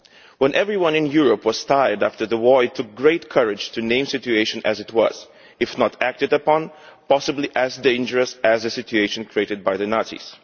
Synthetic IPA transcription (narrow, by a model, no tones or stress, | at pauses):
wə̃nʔɛvɹiwʌ̃nɨ̃njuɹəpwʌz̥tʰaɪə˞dæftə˞ðəwɔɹɨtʰːʊk̚ɡɹeɪtkʰɜɹɪ̥d͡ʒ̥tʰɨnẽɪ̃msɪt͡ʃʉeɪʃɨ̃nɨ̰zɨt̚ʰwʌ̰z̥ | ɨfnətʰæk̚tɨdəpɑ̃n | pɑsəbliʔɨzdẽɪ̃nd͡ʒə˞ɨsæzɨsɪt͡ʃʉeɪʃɨ̃nkʰɹ̥ieɪɾɨd̚baɪðɨnɑɹtsḭs